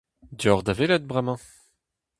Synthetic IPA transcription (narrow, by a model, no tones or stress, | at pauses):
d̪jɔʁd̪avelɛt̪̚bʁɛmɑ̃